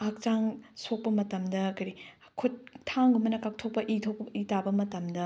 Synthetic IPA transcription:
ak̚t͡ʃaŋsok̚pɐmɐtɐmdɐkɐɾi | kʰut̚tʰːaŋɡumɐnɐkak̚tʰok̚pɐʔitʰok̚pitabɐmɐtɐmdɐ

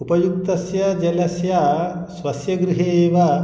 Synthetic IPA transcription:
upɐjuk̚t̪ɐsjɐd͡ʒɐnɐsjɐsʋɐsjɐɡɾuɦeːʋɐ

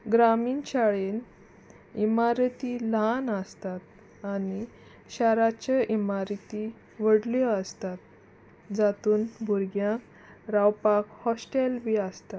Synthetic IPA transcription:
ɡɾamiːnɕaɭen | imaɾt̪ilɦanəst̪at̪ | ani | ɕaɾat͡ɕaʔimaɾt̪i | ʋəɽljɔəst̪at̪̚ | d͡zat̪uːnbʱuɾɡjãk | ɾawpakhɔsʈelʋiəst̪at̪

